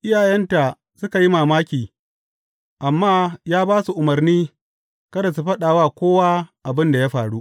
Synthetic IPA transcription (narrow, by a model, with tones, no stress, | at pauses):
ʔɪ˦jaː˨jɐ˦nta˨ | sʊ˦ka˨ji˦maː˨maː˦kʲiː˨ | ʔa˨mːaː˦jaː˦baː˦su˨ʔʊ˨mɐ˨rniː˦ | kɐ˦da˨su˨ɸɐ˦ɗaː˨waː˦˨kʷoː˦wa˦ʔa˨bɪ˦nda˨ja˦ɸaː˨ɽu˦ʔ